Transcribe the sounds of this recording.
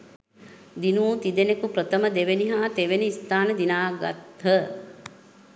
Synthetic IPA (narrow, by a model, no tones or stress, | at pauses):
d̪inuːt̪id̪enekupɾət̪əməd̪eʋeniɦaːt̪eʋeniist̪aːnəd̪inaːɡa̰t̪ɦə